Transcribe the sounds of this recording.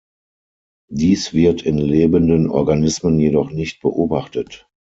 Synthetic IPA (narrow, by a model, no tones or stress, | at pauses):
diːsv̥ɪɐtʰɪnleːbəndənʔɔ̰ɐɡanɪsmənjedɔχnɪçt̚b̥ə̰ʔoːbaχtət